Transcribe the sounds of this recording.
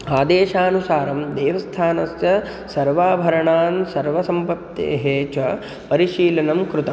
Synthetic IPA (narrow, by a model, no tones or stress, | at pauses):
aːd̪eːʃaːnusaːɾɐmd̪eːʋɐst̪ʰaːnɐsjɐ | sɐɾʋaːbʱɐɾɐɳaːnsɐɾʋɐsɐmpɐt̪ːḛːɦeːt͡ʃɐ | pɐɾiʃiːlɐnɐmkɾut̪ɐm